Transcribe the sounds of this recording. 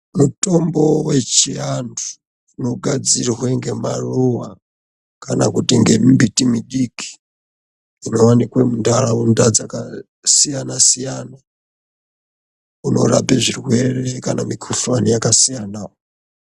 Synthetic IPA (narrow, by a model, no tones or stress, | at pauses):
mutombowet͡ʃiandu̥ː | noɡʱad͡zirweŋɡemaruwa | kanakutiŋɡembitimiɗiki̥ː | nowanikwemundalawundad͡zaka | sijanasijaːna | uno̞̰ɾapeʐirwerekanamikʰufanijakasijanawo